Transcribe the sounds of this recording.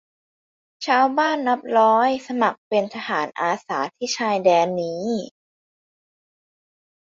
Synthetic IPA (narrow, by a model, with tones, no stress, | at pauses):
t͡ɕʰaː˧wbaː˥˩nːa˦˥p̚ɾɔː˦˥jsa˧ma˨˩k̚pe˧nt̪ʰa˧haː˩˦nʔaː˧saː˩˦t̪ʰiː˥˩t͡ɕʰaː˧jdɛː˧nːiː˦˥